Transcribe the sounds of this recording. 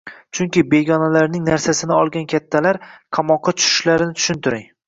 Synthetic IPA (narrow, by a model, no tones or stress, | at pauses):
t͡ʃʰʊŋkʲɪbe̞ɡʲɒnalaɾnɪŋnaɾsasɪnɪɒlˠɡʲankʲʰat̪ʰːalaɾqʰɑmɒqʰːɑt͡ʃʰʊ̥ʃʊ̥ʃlaɾɪnɪt̪ʰʊ̥ʃɪnt̪ʰɪɾɪŋ